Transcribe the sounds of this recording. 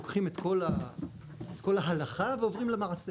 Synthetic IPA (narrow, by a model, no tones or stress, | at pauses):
okχimet̪ko̞la | et̪ko̞laɦalaχaveo̞vʁimlemaʕse